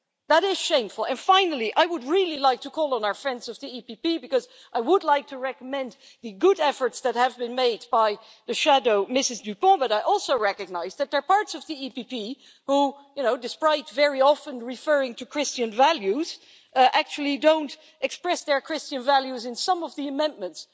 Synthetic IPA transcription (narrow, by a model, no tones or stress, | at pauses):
ðəɾɪz̥ʃẽɪ̃ɱfl̩ˠɨ̃nfãɪ̃nl̩ˠiʔaɪwəd̚ɹilˠilaɪk̚tʰəkʰɔlˠə̃naʊə˞fɹɛ̃ndzʌvðiipipibɨkʌz | ʔaɪwədˡlaɪk̚tʰɨɹɛkəmɛ̃n | ðɨɡʊɾɛfə˞tsðɨt̚hɨvbɨ̃nmeɪd̚baɪ | ðɨʃædoʊmɪsɨzdʉpɔ̃bʌɾaɪʔɔlˠsoʊɹɛkɨɡ̚naɪzðɨt̪̚ðə˞pɑɹtsʌvðiipipi | hu | jɨnoʊdɨspɹaɪtvɛɹiɑfə̃nɹɪfɜ˞ɪ̃ŋtʰɨkʰɹ̥ɪst͡ʃɨ̃nvælˠjʉz̥ | ʔæk̚t͡ʃul̩ˠidõʊ̃nt | ʔɨkspɹɛsðə˞kʰɹ̥ɪst͡ʃɨ̃nvælˠjʉzɨ̃nsʌ̃mʌvðiɨmɛ̃n̚mə̃nts